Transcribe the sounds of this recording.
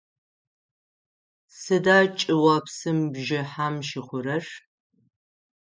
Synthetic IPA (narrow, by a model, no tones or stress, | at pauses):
sɨdaːt͡ʃʼɪwɐpsɨmbʒɪħaːmʃɪχʷʊɾɐʂ